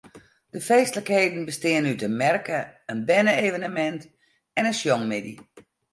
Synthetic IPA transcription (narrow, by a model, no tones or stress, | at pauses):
d̥əfeːstələkheːdən̩bəstɪənytəmɛrkəənbɛnəeːvənəmɛnt | ɛnənsjɔŋmɪdi